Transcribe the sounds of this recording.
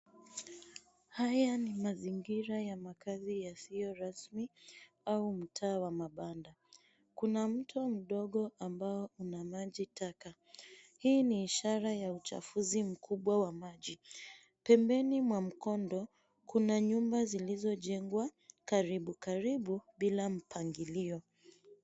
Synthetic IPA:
hajanimaziŋɡiɾajamakazijasijɔɾasmi | aum̩tʰaːwamaɓanda | kunam̩tʰɔm̩ɗɔɠɔʔambaɔunamaʄitaka | hiːniːʃaɾajaut͡ʃa̰fuzim̩kʰuɓwawamaʄi | pɛmbɛnimwam̩kɔndɔ | kunaɲumbazilizɔʄɛŋɡwakaɾiɓukaɾiɓuɓilam̩pʰaŋɡiliɔ

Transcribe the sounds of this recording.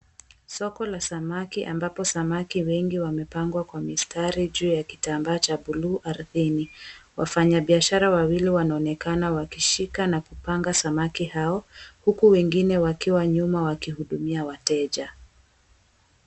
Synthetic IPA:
sɔkɔlasamakiʔa̰mbapɔsamakiwɛŋɡiwamɛpaŋɡwakwamistaɾiʄuːjaki̥tambaːt͡ʃaɓuluːʔaɾθiniwʔa̰faɲaɓiaʃaɾawawiliwanaɔnɛkanawakiʃikanakupaŋɡasamakihaɔhukuwɛŋɡinɛwakiwaɲumawakihuɗumiawatɛʄa

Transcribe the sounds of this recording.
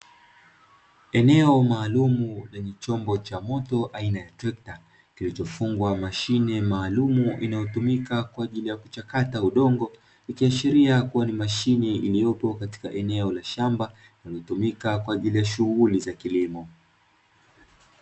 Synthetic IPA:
ɛnɛɔmaːlumulaɲɛt͡ʃɔmbɔt͡ʃamɔtɔʔainajatɾɛkta | kilit͡ʃɔfuŋɡwamaʃinɛmaːlumuʔinajɔtumikakwaːʄilijaku̥t͡ʃakatauɗɔŋɡɔ | ikiaʃiɾiakuwanimaʃinɛilijɔpɔkati̥kaʔɛnɛɔlaʃamba | nalɔtumikakwaːʄilijaʃuɣulizakilimɔ

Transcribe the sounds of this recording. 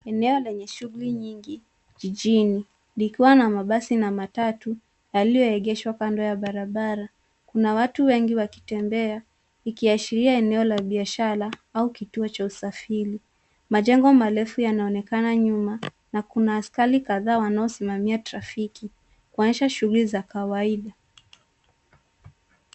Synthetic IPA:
ɛnɛɔlɛɲɛʃuɣuliɲiŋɡi | ʄiʄini | likiwanamaɓasinamatatu | jalijɔɛɠɛʃwakandɔjaɓaɾaɓaɾa | kunawatuwɛŋɡiwaki̥tɛmbɛa | ikiaʃiɾiaɛnɛɔlaɓiaʃaɾaaukituɔt͡ʃausafili | maʄɛŋɡɔmalɛfujanaɔnɛkanaɲuma | nakunaːskalikaðaːwanaɔsimamiatɾafiki | kuanʃaʃuɣulizakawaiɗa

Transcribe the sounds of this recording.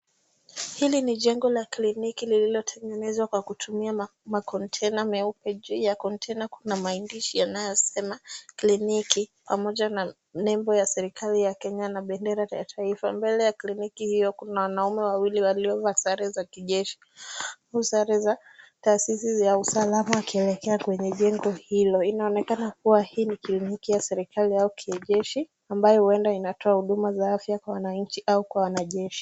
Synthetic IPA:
hiliniʄɛŋɡɔlaklinikilililɔtʰɛŋɛnɛzwakwakutʰumiamakʰɔntʰɛnamɛupɛʄijakɔntʰɛnakunamaindiʃijanajɔsɛmaklinikipamɔʄana | nɛmbɔjasɛɾikalijakɛɲanaɓɛndɛɾaja̰tʰaifambɛlɛjaklinikihijɔkunawanaumɛwawiliwaliɔvasaɾɛzakiʄɛʃi̥ | ausaɾɛza | taːsisijausalamawakiɛlɛkɛakwɛɲɛʄɛŋɡɔhilɔinaɔnɛkanakuwahiːniklinikijasɛɾikʰaliaukʰiɛʄɛʃi | ambajɔhuɛndainatʰɔahuɗumazaafjakwawanaɲ̩t͡ʃiʔaukwawanaʄɛʃi̥

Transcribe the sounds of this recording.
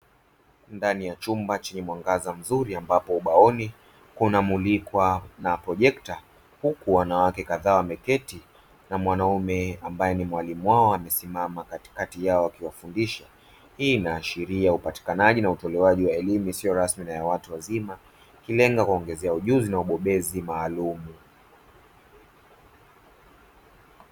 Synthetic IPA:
ndanijat͡ʃumbat͡ʃɛɲɛmwaŋɡazam̩zuɾiambapɔuɓaɔni | kunamulikwanapɾɔʄɛkta | hukuwanawakɛkaðaːwamɛkɛti | namwanaumɛambajɛnimwalimuwaɔamɛsimamakati̥katijaɔakiwafundiʃa | hiːnaːʃiɾiaupati̥kanaʄinautɔlɛwaʄiwaɛlimuisijɔɾasminajawatuwazima | kilɛŋɡakuɔŋɡɛzɛauʄuzinauɓɔɓɛzimaːlumu

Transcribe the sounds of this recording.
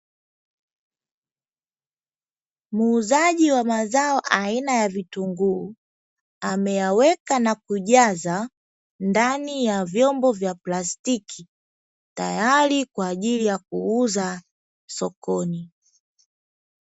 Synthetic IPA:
muːzaʄiwamazaɔʔainajavituŋɡuː | amɛjawɛkanakuʄaza | ndanijavjɔmbɔvjaplastikʰi | ta̰jalikwaːʄilijakuuza | sɔkɔni

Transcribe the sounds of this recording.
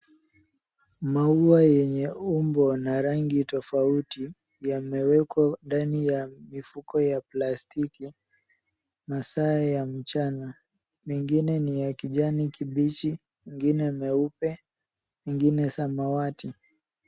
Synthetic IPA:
mauajɛɲɛumbɔnaɾaŋɡitɔfauti | jamɛwɛkwandanijamifukɔjaplastiki | masaːjam̩t͡ʃana | miŋɡinɛnijakiʄanikiɓit͡ʃi | miŋɡinɛmɛupɛ | miŋɡinɛsamawati

